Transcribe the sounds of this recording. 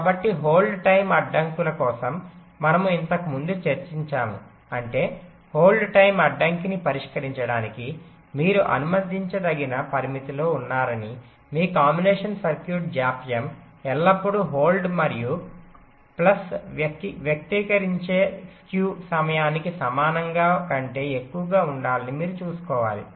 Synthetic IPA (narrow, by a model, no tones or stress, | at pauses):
kaːbɐʈːiɦo̞ːlɖʈɐjmɐɖːɐŋkulɐkɔːsɐmː | ɐnɐmuint̪ɐkumund̪ut͡ʃɐɾt͡ʃiɲt͡ʃaːmu | ɐɳʈe̞ː | ho̞ːlɖʈɐjmɐɖːɐŋkinipɐɾiʂkɐɾiɲt͡ʃɐɽaːniki | miːɾuʔɐ̰numɐd̪ʱːiɲt͡ʃɐd̪ɐɡinɐpɐɾimit̪ilo̞ːunːaːɾɐni | miːkaːmbineːʂɐnsɐɾkjuːʈ̚d͡ʒaːpijɐm | ɛlːɐpːuɽuɦo̞ːlɖmɐɾiju | plɐs | ʋjɐk̚t̪iːkɐɾiɲt͡ʃe̞ːskjuːsɐmɐjaːnikisɐmaːnɐŋɡaːkɐɳʈe̞ːekːuʋɐɡaːuɳɖaːlɐnimiːɾut͡ʃuːsu̥kɔːʋa̰ːlḭ